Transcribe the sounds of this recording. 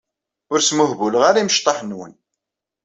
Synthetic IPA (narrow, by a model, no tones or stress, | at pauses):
ʊɾsmʊhvuləʁaɾiməʃt̪ˤːɑħnwə̰n